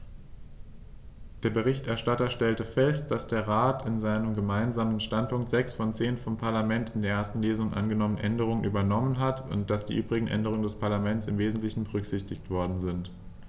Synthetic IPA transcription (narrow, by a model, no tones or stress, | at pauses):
d̥eːɐbəʁɪçtʔɛɐʃtatɐʃtɛltəfɛst̚d̥asd̥eːɐʁaːtɪnzaɪnəmɡəmaɪnzaːmənʃtant̚pʊŋktz̥ɛksfɔnt͡seːnfɔmpʰaɐlamɛntɪndeːɐʔeːɐstn̩leːzʊŋnʔa̰nɡənɔmənʔɛndəʁ̞ʊŋənʔyːbɐnɔmənɦatʰʊ̰nt̚d̥asd̥ḭːʔyːbʁɪɡŋ̩ʔɛ̰ndəʁʊŋəndɛspʰaɐlamɛnt͡sɪmveːzn̩tlɪçn̩bəʁ̞ʏkz̥ɪçtɪçtv̥ɔɐdn̩zɪnt